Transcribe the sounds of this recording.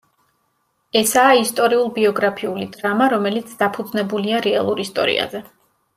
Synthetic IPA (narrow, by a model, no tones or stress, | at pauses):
ɛsaːist̪ʼɔɾiulˠbiɔɡɾapʰiulid̪ɾamaɾɔmɛlit̪sʰd̪̥apʰud̪znɛbuliaɾɛalˠuɾist̪ʼɔ̰ɾḭa̰zɛ